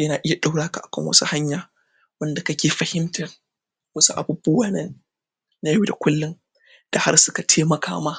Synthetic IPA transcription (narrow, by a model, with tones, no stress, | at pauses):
jɐ˦naː˨ʔɪ˦ja˨ɗa˦wɽaː˦ka̰˨ʔa˨kɐ̰˦ŋwɐ̰˦su˦ha˦ɲjaː˨ | wɐ˦nda˨kɐ˦kʲeː˨ɸɐ˨hɪ˦mtɐ˨r | wɐ˦su˦ʔa̰˨bʊ˨bːʊ˦waː˦nɐ˦˨nː | a˦ju˦da˨kʷʊ˦lːʊ˦n | d̥a˨ha̰˦rsʊ˦ka˨tʰeː˦mɐ˨kʰa̰ː˦maː˦